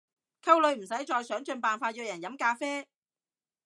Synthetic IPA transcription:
kʰɐ˥wlɵ˨˧ɥm̩˨˩sɐ˨˥jt͡ʃɔː˧jsœː˨˥ŋt͡ʃɵ˧npaː˨nfaː˧t̚jiː˧wjɐ˨˩njɐ˨˥mkaː˧fɛː˥

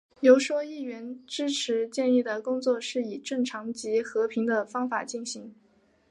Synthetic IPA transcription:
jo˧˥ʊʂwɔ˥i˥˩ɥɛ˧˥nʈ͡ʂɻ̩˥ʈ͡ʂʰɻ̩˧˥t͡ɕjɛ˥˧ni˥˩d̪ə˩kʊ˥ŋt͡swɔ˥˧ʂɻ̩˥˩i˨˩ʈ͡ʂɤ˥˩ŋʈ͡ʂʰɑ˧˥ŋt͡ɕi˧˥xɤ˧˥pʰi˧˥ŋd̪ə˧fɑ˥ŋfa̰˨˩t͡ɕi˥˩nɕi˧˥ŋ

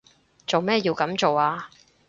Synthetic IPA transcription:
t͡so˨wmɛː˥jiː˧wkɐ˨˥mt͡so˨waː˧

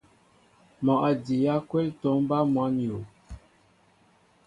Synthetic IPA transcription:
mɔ˨ʔa˨di˨ja˦kwɛ˦lto˨˦m˦ba˦mwa˦n˨jo˨

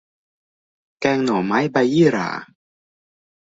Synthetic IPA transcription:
kɛː˧ŋnɔː˨˩˦maː˦˥jba˧jiː˥˩˨ɾa̰ː˩˦

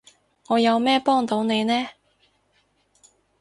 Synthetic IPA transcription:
ŋɔː˨˧jɐ˨˧wmɛː˥pɔː˥ŋt̪o˨˥wne˨˧jnɛː˥

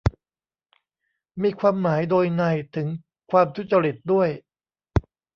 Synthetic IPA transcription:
miː˧kʰwaː˧mːaː˩˦jdoː˧jna˧˩jt̪ʰɯ˩˦ŋ | kʰwaː˧mt̪ʰu˥t̪̚t͡ɕa˧ɾi˨˩t̪̚du˥˩əj

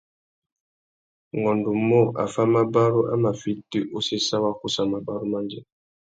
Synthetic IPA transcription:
ŋɔ˨ndo˨mɔ˦a̰˨fa˦ma˦ba˦ɾo˦ʔa̰˦ma˨fi˦ti˦ʔo˦se˦sa˦wa˦ku˦sa˨ma˨ba˦ɾu˦ma˦ndɛ˦

